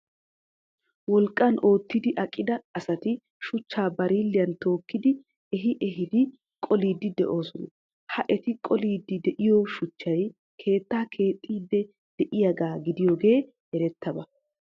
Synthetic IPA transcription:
wɔlkʼːɐno̞ːt̪ːɪd̪ɪʔɐkʼːɪd̪ɐɐsɐt̪ɪ | ʃʊt͡ʃːaːbɐɾiːlːɪjɐnt̪o̞ːkːɪd̪ɪ | ɛɦɪʔɛɦɪd̪ɪ | kʼɔliːd̪ːɪd̪ɛ̰ʔo̞ːsɔnɔ | hɐʔɛt̪ɪkʼɔliːd̪ːɪd̪ɛʔɪjoʃʊt͡ʃːɐj | kʰe̞ːt̪ːaːkʰe̞ːt̪ʼːiːd̪ːɛ | d̪̥ɛʔɪjɐɡaːɡɪd̪ɪjoːɡe̞ː | ɛɾɛt̪ːɐbɐ

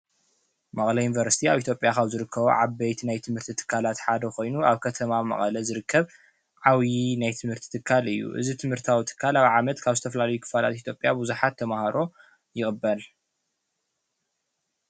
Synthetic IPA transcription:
mɐχʼlɐjunvɐɾsi̥t̪ʰiaβʔit̪ʰjopʼjakʰaβzɨɾɨkːɐβo̰ʕaβɐjt̪ʰinajt̪ʰɨmhɨɾt̪ʰit̪ʰɨ̥kʰːalat̪ħad̪ɐxo̞jnuaβkʰɐt̪ʰɐmamɐ̰χʼɐlɐzɨɾɨkʰːɐβ | ʕawjinajt̪ʰɨmhɨɾt̪ʰi̥t̪ʰɨkʰːalɨjːṵʔɨ̰zit̪ʰɨmhɨɾt̪ʰawit̪ʰɨ̥kʰːalawʕamɐt̪kʰaβzɨt̪ʰɐfɐlalɐjukʰɨ̥fala̰t̪it̪jo̞pʼjabuzuħat̪ʰːɐmahaɾo̞ | jɪxʼbːɐl

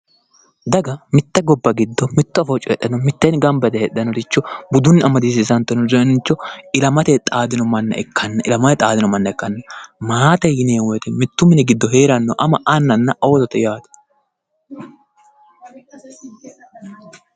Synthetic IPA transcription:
d̪ɐɡɐmɪt̪ːɐɡɔbːɐɡɪd̪ːɔmɪt̪ːɔɐfɔt͡ʃʼːɔɛ̰ɗːɐnɔmɪt̪ːɛnɡɐmbɛt̪ɛhɛᶑːɐnɔd̪ɪt͡ʃːɔbʊd̪ʊnːɪɐmɐd̪iːs̬ɪsɐnt̪ːɔnɔzɔnɪt͡ʃːɔɪlɐmɐt̪ɛt̪ʼaːd̪ɪnɔmɐnːɐ̰ʔɛkʰːɐnːɐʔɪlɐmɐɛt̪ʼaːd̪ɪnɔmɐnːɐɛkːɐnːɐmaːt̪ɛjɪneːwɔjt̪ɛmɪt̪ːʊmɪnɪɡɪd̪ːɔɦeːɾɐnːɔʔɐmɐʔɐnːɐnːɐʔɐt̪ɔt̪ɛjaːd̪ɐ̥

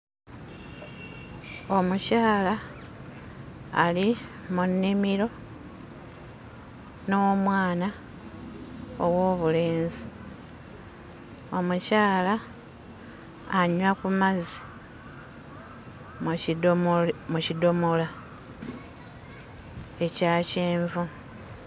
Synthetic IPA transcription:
o̞mucaːla | limunːimiɾo̞ | nomwaːna | owo̞ːβule̞ːnzi | o̞mucaːla | ɲwakumazi̥ | mucido̞mola | e̞caːceːɱvu

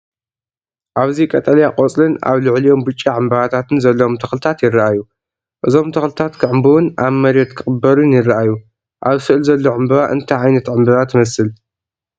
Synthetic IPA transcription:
ʔaβzikʼɐt̪ʼɐljaqʼot͡sʼlɨna̰βlɨʕlijo̞mbɨt͡ʃʼːiʕɨmbɐβat̪ʰat̪ɨnzɐlːoomt̪ʰɐxlɨt̪ʰat̪jɪrːɐʔaju | ʔɨzo̞mt̪ʰɐxlɨt̪ʰat̪kʰɨʕɨmbɨwɨnʔaβmɐɾjot̪kʰɨχʼɨbːɐɾunjɪrɨʔaju | ʔaβsɨʔlzɐlːo̞ʕɨmbɐβaʔɨnt̪ʰajʕajnɐt̪ʕɨmbɐβat̪ʰmɐsɨl

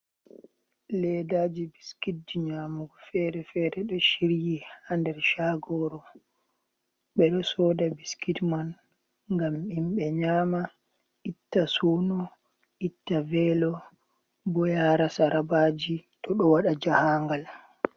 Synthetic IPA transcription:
lɛdaːd͡ʒibiskit̚diɲaːmuɡɔfɛɾɛfɛɾɛɗɔʃiɾjihandɛɾʃaɡɔɾɔ | ɓɛɗɔsɔdabiskitman | ŋɡamimɓɛɲaːma | ʔitːasunɔ | ʔitːavɛlɔ | bɔjaɾasaɾabaːd͡ʒitʰɔɗɔwaɗad͡ʒahaŋɡal

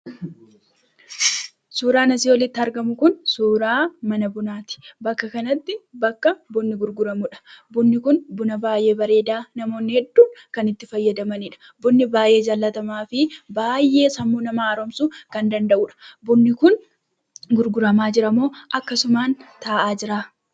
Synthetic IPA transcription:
suːɾaːnɐsiwɔlɪt̪ːɪɐɾɡɐmʊkʊnsuːɾaːmɐnɐbʊnaːt̪ɪ̥bɐkːɐkɐnɐt̪ːɪbɐkːɐbʊnːɪɡʊɾɡʊɾɐmʊᶑɐ̥bʊnːɪkʊnbʊnɐbaːje̞ːbɐɾe̞ːd̪aːnɐmo̞ːnːɪhɛd̪ːuːŋkɐnɪt̪ːɪfɐjːɐd̪ɐmɐniᶑɐ̥ | bʊnːɪbaːjʔe̞ːd͡ʒalːɐt̪ɐmaːfɪbaːjːe̞ːsɐmːunɐmaːɾɔmsukɐnd̪ɐnd̪ɐʔuːᶑɐ̥bʊnːɪkʊn | ɡʊɾɡʊɾɐmaːd͡ʒɪɾɐmoːʔɐkːɐsʊmaːnt̪aːʔaːd͡ʒɪɾaː

